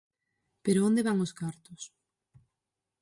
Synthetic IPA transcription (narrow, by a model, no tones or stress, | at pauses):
peɾoõnd̪eβaŋoskaɾt̪ʊs